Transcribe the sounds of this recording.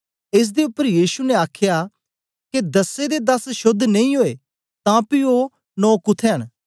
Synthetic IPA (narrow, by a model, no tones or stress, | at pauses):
ɪs̬d̪eʊpːəɾjiːsunɛaːkʰja | ked̪ɐsed̪ed̪ɐsʃʊd̪ʱːnɐ̃ĩɦoːe | t̪ãpio | nɔ̃ːkʊt̪ʰeɦən